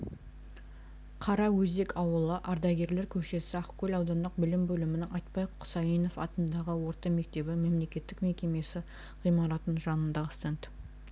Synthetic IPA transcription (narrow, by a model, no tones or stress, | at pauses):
qʰɑɾɑwɵzd̪e̞kʰɑwəlˠəʔɑɾd̪ɑɡʲe̞ɾle̞ɾkʲʰɵʃe̞sɪɑqkʲʰɵlɑwd̪ɑnd̪əq̚bɪlɪmbɵlɪmɪnɪŋɑjt̪̚pɑjqʰʊsɑjino̞fɑt̪ənd̪ɑʁəwo̞ɾt̪ɑme̞k̚t̪e̞bɪme̞mle̞kʲe̞t̪ːɪkme̞kʲe̞me̞sɪ | ʁ̥ijmɑɾɑt̪ənʒɑnənd̪ɑəst̪ent̪